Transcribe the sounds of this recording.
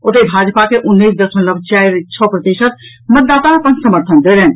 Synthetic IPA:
ot̪ebʱad͡ʒpakeʔunːisd̪əsənləbʱt͡ʃaiɾt͡ʃʰɔpɾət̪iʃət̪̚ | mət̪̚d̪at̪aəpənsəməɾt̪ʰənd̪eɾɛn

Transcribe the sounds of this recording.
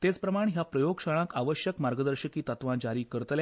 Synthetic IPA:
t̪et͡spɾəmaɳɦjapɾəjoɡɕaɭ̃ãkaʋəɕjəkmaɾɡəd̪əɾɕəkiːt̪ət̪ʋãd͡ʑaɾiːkəɾət̪lja

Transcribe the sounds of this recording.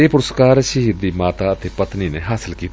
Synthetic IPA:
eːpʊɾʊskaːɾʃəɦiɾd̪iːmaːt̪aːət̪eːpət̪niːneːɦaːsɪlkiːt̪ː

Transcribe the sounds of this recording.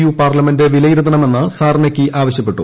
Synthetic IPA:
juːpaːrlɐme̞ndeʋilɐjiɾut̪ːɐnɐme̞nːɨsaːrnɐkʲːiʔaːʋɐɕjɐpːe̞ʈːṵ

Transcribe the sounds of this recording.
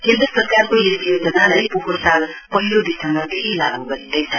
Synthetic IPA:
kend̪ɾʌsʌrkarkojesijod͡zʌnalajpoɦorsalpʌɦilod̪isʌmʌd̪eɦilaɡnukʌit̪ʌjsʰʌ

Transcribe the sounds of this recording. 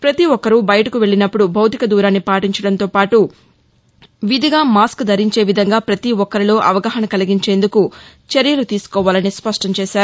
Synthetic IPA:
pɾɐt̪iʋɔkːɐɾubɐjɐʈɐkuʋe̞ɭinɐpːuɽubʱɐwt̪ikɐd̪uːɾaːnːipaːʈiɲt͡ʃɐɽɐnt̪o̞ːpaːʈu | ʋid̪ʱiɡaːmaːskd̪ʱɐɾiɲt͡ʃe̞ːʋid̪ʱɐŋɡaːpɾɐt̪iɔkːɐɾilo̞ːʔɐʋɐɡɐɦɐnɐkɐliɡiɲt͡ʃe̞ːnd̪uku | t͡ʃeɾjɐlut̪iːsu̥kɔːʋaːlɐnispɐʂʈɐɲt͡ʃeːʃaːɾu

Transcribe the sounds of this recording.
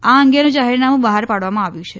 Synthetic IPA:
aəŋɡenũd͡ʒaɦiɾnamũbəɦaɾpaɽʋamãaʋjũt͡ʃʰe

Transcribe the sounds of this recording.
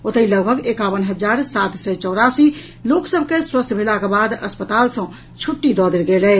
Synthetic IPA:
ot̪əiləɡbʱəɡekabənɦəd͡ʒaɾsat̪sɛt͡ʃɔwɾasi | loksəbʱkeswəst̪ʰbʱelakebad̪əspət̪alsə̃ | t͡ʃʰuʈːid̪ɔd̪elɡelɛ

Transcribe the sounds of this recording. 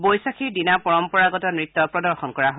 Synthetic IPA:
bɔjsakʰiɹdinapɔɹɔmpɔɹaɡɔtɔmɹit̪ːɔpɹɔdɔɹxɔnkɔɹaɦo

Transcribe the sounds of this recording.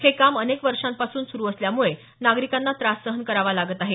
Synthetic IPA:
hʰekamənekʋəɾʂãmpasuːnsuɾuːəsljamuɭe | naɡɾikanːat̪ɾasːəɦənkəɾaʋalaɡət̪aɦe

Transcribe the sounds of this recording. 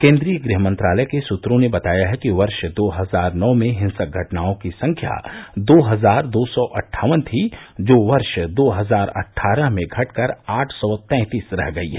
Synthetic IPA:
kẽːnd̪ɾijəɡɾiɦəmə̃nt̪ɾaːlɛɛkesʊt̪ɾõnebɐt̪aːjaɦɛkiʋɐɾʃd̪oːɦɐzaːɾnɔːmẽɦɪ̃nsək̚ɡʱɐʈnaːõkisɐ̃ŋkʰja̰ːd̪oːɦɐzaːɾd̪oːsɔʔɐʈʰːaːʋənt̪ʰid͡ʒoːʋɐɾʃd̪oːɦɐzaːɾɐ̰ʈʰːaːɾəɦmẽɡʱɐʈkɐɾaːʈʰsɔːt̪ɛ̃ːt̪iːsɾɛ̰ɦɡɐiɦɛː

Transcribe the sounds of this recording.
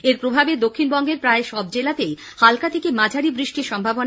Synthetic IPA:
eɾpɾobʱabed̪okʰːinbɔŋɡeɾpɾaeʃɔbd͡ʑelat̪ej | halkat̪ʰekemad͡ʑʱaɾibɾiʃʈiɾʃɔmbʱabon

